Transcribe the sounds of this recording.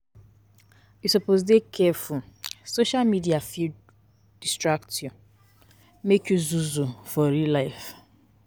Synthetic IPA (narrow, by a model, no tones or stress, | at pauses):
jusupozdekʰɛfulsoʃalmidiafid | d̥istɹak̚tju | mekjuzuzufɔɾilaɪf